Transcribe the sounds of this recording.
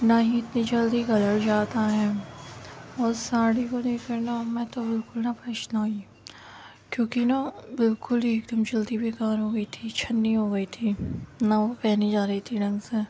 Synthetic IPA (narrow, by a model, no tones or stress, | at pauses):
naɦiɪt̪nid͡ʒɐld̪iɡɐləɾd͡ʒaːt̪aɦɛ̃ː | ɔːɾsaːɽikod̪eːkəɾnamɛ̃ːt̪obɪlkʊlnapɾɐʃnai | kjõːkinabɪlkʊlieːk̚d̪əmd͡ʒɐld̪ibʱeːkaːɾɦoːɡɐit̪ʰit͡ʃʰɐnːiɦoːɡɐit̪ʰiːnaʋopɛɦnid͡ʒaːɾɐɦit̪ʰiɖɐ̃ŋɡse